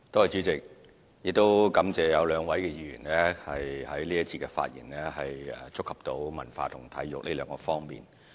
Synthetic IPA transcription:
t̪ɔː˥˨˩t͡ʃyː˨˥t͡sɪ˨k̚ | jɪ˨k̚t̪o˥wkɐ˨˧˥mt͡sɛː˨jɐ˨˧wlœː˨˧ŋwɐ˨˥jkɛː˧jiː˨˧jyː˨˩nlɛ˥hɐ˨jhɐ˨˥jliː˥ɐ˥t̚t͡sʰiː˧kɛ˧fa̰ː˧t̚jḭː˨˩nlɛ˥ɦɐ˨jɛ̰˨t͡sʊ˥kʰːɐ˨p̚t̪o˨˥wmɐ̰˨˩nfaː˧t̪ʰʊ˨˩ŋt̪ʰɐ̰˨˥jjʊ˨k̚liː˥lœː˨˧ŋkɔː˧fɔː˥ŋmḭː˨˩n

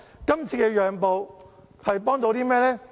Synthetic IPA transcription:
kɐ˥mt͡sʰiː˧kɛː˧jœː˨ŋpo˨w | hɐ˨jpɔː˥ŋt̪o˧wt̪iː˥mɛː˥lɛː˥

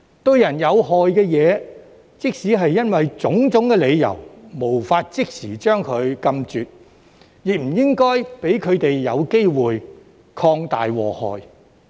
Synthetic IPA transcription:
t̪ɵ˧ɥjɐ˨˩njɐ˨˧wɦɔː˨jkɛː˧jɛː˨˧ | t͡sɪ˥k̚siː˨˥ɦɐ˨jːɐ˥nwɐ˨jt͡sʊ˨˥ŋt͡sʊ˨˥ŋkɛː˧le˨˧jjɐ̰˨˩wmo˨˩wfaː˧t̚t͡sɪ˥k̚siː˨˩t͡ʃœː˥ŋkʰɵ˨˧ɥkɐ˧mt͡ʃyː˨t̚ | ji˨k̚m̩˨˩jɪ˥ŋkɔː˥jpe˨˥jkʰɵ˨˧ɥt̪e˨jːɐ˨˧wke˥jwuː˨j | kʰɔː˧ŋt̪a̰ː˨jwɔː˨˩hɔ̰ː˨j

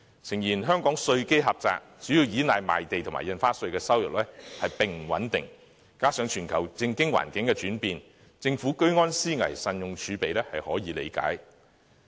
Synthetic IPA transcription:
t͡sʰɪ˨˩ŋjiː˨˩nɦœː˥ŋkɔː˨˥ŋsɵ˧ɥke˥jɦɐ˨p̚t͡sa̰ː˧˨k̚t͡ʃy˨˥jiː˧wjiː˨˥naː˨jma̰ː˨jt̪e˨jt̪ʰʊ˨˩ŋma̰ː˨˩jɐ˧nfaː˥sɵ˧ɥkɛː˧sɐ˥wjʊ̰˨k̚lɛː˥hɐ˨jpɪ˨ŋm̩˨˩wɐ˨˥nt̪ɪ̰˨ŋ | kaː˥sœː˨˧ŋt͡ʃʰyː˨˩nkʰɐ˨˩wt͡sɪ˧ŋkɪ˥ŋwa̰ː˨˩nkɪ˨˥ŋkɛː˧t͡ʃyː˨˥npiː˨˧n | t͡sɪ˧ŋfuː˨˥kɵ˥ɥŋɔː˥nsiː˥ŋɐ̰˨˩jsɐ˧njʊ˨ŋt͡ʃʰyː˨˧pe˨jlɛː˥hɐ˨jhɔː˨˥jiː˨˧lḛ˨˧jka̰ː˨˥j

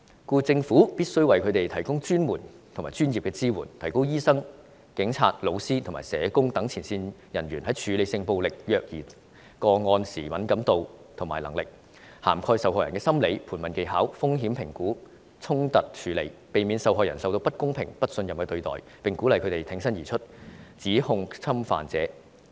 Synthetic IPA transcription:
kuː˧t͡sɪ˧ŋfuː˨˥piː˥t̚sɵ˥ɥwɐ˨jkʰɵ˨˧˥t̪e˨jt̪ʰɐ˨˩jkʊ˥ŋt͡ʃyː˥nmuː˨˩nt̪ʰmaː˨˩t͡ʃyː˥njiː˨p̚kɛː˧t͡siː˥wuː˨˩nt̪ʰɐ˨˩jko˥wjiː˥sɐ˥ŋ | kɪ˨˥ŋt͡sʰa̰ː˧t̚lo˨˧wsiː˥t̪ʰŋmaː˨˩sɛː˨˧kʊ˥ŋt̪ɐ˨˥ŋt͡sʰiː˨˩nsiː˧njɐ˨˩nɥyː˨˩nhɐ˨˥jt͡ʃʰyː˨˧le˨˧jsɪ˧ŋpo˧wlɪ˨k̚jœː˧k̚jiː˨˩ | kɔː˧ŋɔː˧nsiː˨˩mɐ˨˥nkɐ˨˥mt̪o˨˧wt̪ʰʊ˨˩maː˨˩jlɐ˨˩ŋlɪ˨k̚ | ha̰ː˨˩mkʰɔː˧jsɐ˨˧whɔː˧jɐ˨˩nkɛː˧sɐ˥mle˨˧jpʰuː˨˩nmɐ˨nke˨jɦaː˨˥wfʊ˥ŋɦiː˨˥mpʰɪ˨˩ŋkuː˨˥ | t͡sʰʊ˥ŋt̪ɐ˨t̚t͡ʃʰyː˨˧le˨˧jpe˨jmiː˨˧nsɐ˨˧wɦɔː˨jɐ˨˩nsɐ˨wt̪o˧wpɐ˥t̚kʊ˥ŋpʰɪ˨˩ŋpɐ˥t̚sɵ˧njɐ˨mkɛː˧t̪ɵ˧ɥt̪ɔ̰ː˨˩j | pɪ˨ŋkuː˨˥lɐ˨˧jkʰɵ˨˧˥t̪e˨˩jt̪ʰɪ˨˥ŋsɐ˥njiː˨˩t͡ʃʰɵ˥t̚t͡siː˨˥hʊ˧ŋt͡sʰɐ˥mfa̰ː˨nt͡sɛ̰ː˨˥

